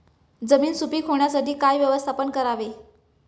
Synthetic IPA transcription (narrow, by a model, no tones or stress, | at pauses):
d͡zəmiːnsupiːkʰɦoɳ̃jasaʈiːkajʋjəʋəst̪ʰapənkəɾaʋe